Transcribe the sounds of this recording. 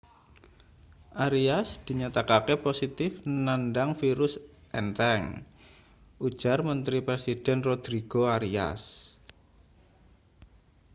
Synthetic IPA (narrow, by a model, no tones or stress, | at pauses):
ʔaɾiasd̪̥i̤ɲat̪akakeposit̪ɪfnanɖaŋfiɾʊs | ʔɛnt̪ɛŋ | ʔud̥ʒ̥a̤rmənt̪ɾipɾesid̥ɛnrod̪̥ɾiɡ̥oaɾia̰s